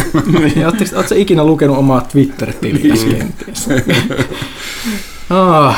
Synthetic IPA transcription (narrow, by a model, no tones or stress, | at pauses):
oːt̪ːesoːt̪seikinælukenuomɑːt̪ʋit̪ːerit̪ːilḭæ̰skḛnt̪ːˑiis | ɑː